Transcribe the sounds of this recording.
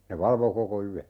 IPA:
ne ʋɑlʋo koko yæ

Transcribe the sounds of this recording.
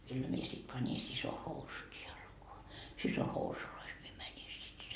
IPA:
kylːæ mie sit pɑni siso housut jɑlkoɑ siso housulois mie mæni sit

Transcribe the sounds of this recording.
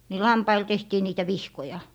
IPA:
ni lɑmpɑil tehtiː niːtæ ʋihkojɑ

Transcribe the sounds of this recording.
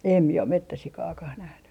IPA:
em mie om metːæsikɑːkɑh næhny

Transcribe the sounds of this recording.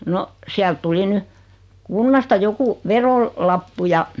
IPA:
no siælt tuli ny kunːɑstɑ joku ʋerol lɑpːu jɑ

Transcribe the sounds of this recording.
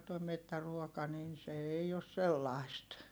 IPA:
toi metːæruokɑ nin se ei os selːɑˑist

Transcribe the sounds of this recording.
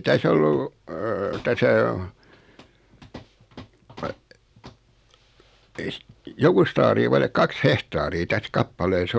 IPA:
tæs olːu tæsæ o ei si jokust ɑːriː ʋɑilek kɑks hehtɑːriː tæs kɑpːɑleːs

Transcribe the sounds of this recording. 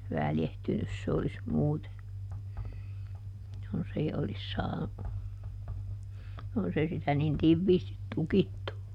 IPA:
ʋæljehtynys se olis muːte jonsei olis sɑː jonsei sitæ nin tiʋːiːstit tukitːu

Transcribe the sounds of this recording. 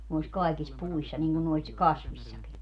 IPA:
nois kɑikis puisːɑ niŋɡ̊un nois kɑsʋisʲsɑki

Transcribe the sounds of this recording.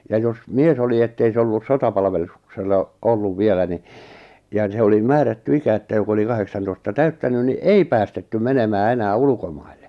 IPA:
jɑ jos mies oli etːei se olːus sotɑpɑlʋelus kselːɑ olːuʋ ʋielæ ni jɑ ni se oli mæːrætːy ikæ etːæ jok oli kɑheksɑntoistɑ tæytːænyn ni ei pæːstetːy menemæː enæː ulukomɑilːe

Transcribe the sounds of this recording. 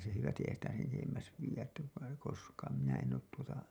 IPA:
se hyʋæsti eihæn sitæ sen etemːæs ʋiːj̆æt tæ koskɑːn minæ en oːt tuotɑ

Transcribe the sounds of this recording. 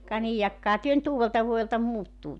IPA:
kɑ niːj jɑkːɑhɑ tyø ny̆t uːʋeltɑʋuojeltɑ muːtːuː

